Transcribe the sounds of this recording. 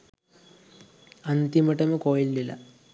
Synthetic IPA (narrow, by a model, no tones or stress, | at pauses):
ɐnd̪imɐʈɐmɐkoːjilːilɐ̰